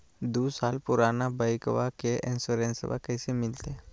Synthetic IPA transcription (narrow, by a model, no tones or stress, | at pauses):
d̪uːsaːlpʊɾaːnabaɪkʋakeʔɪ̃nsoɾẽnsə̰ba̰kɛːsemɪlt̪e